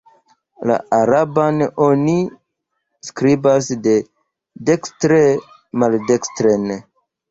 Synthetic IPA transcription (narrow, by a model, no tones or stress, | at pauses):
la̰aɾabanoni | skɾibasde̞ | dekstɾe | maldekstɾen